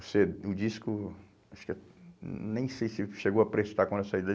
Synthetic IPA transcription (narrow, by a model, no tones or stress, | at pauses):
oseʊd͡ʒiskʊ | aʃʊ̥kɪ̃ | nẽj̃sejsɪʃeɡowɐpɾest̪akwɐ̃d̪ɛsaid̪ɐ